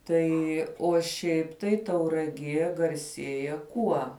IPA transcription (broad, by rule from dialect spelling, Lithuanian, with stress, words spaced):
ˈtɐɪ oː ˈʃʲɛɪp tɐɪ tɐʊrɐˈɡʲiɛ ɡɐrʲˈsʲiɛjɛ ˈkuɔ